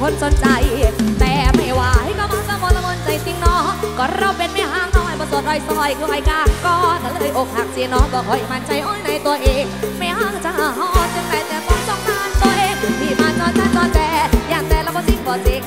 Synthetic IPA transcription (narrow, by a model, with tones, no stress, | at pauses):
kʰo˧˥nso˨˦nt͡ɕa˧jt̪ɛː˨˩ma˧˩waː˨˧˩ha˧˩jka˧˩maː˧˥˩kaː˧mo˧la˧mo˧˥nt͡ɕa˧jsi˧ŋnɔː˧˦˥kɔː˧˩ɾa˧˩wpe˧nmɛː˧˩ɦaː˧˥ŋnɔː˧˩˨jbɔː˧˩so˨˩t̪̚ʔɔ˧˩jsɔ˧˩jkʰɯː˧ʔɔ˨˩jkaː˧˩kɔː˧na˧˩lɤː˧˨jʔo˨˧˩k̚ha˨˩ŋ̚t͡ɕiː˧nɔː˧˥kɔː˧˩kʰɔː˨˧˩ʔi˧˩maː˧˥nt͡ɕa˧jʔɔː˧˥˩jna˨˧˦jt̪u˧ɐʔeː˧ŋmɛː˧˩haː˧˩kt͡ɕa˧haː˨˧˩hɔː˧˩sɯ˧ŋna˨˦jt̪ɛː˨˩t̪ɔː˧˦t̪ɔ˧˩ŋt̪aː˧˩nt̪u˧ɐʔeː˧ŋmiː˧˩maː˧˥nnɔː˧˩nt͡ɕaː˧˥˩nnɔː˧˥nt̪ɛː˧jaː˨˩ŋt̪ɛː˧˩ɾaː˧˩wkɔː˧˩si˧˩ŋkɔː˨˩seː˨˦k̚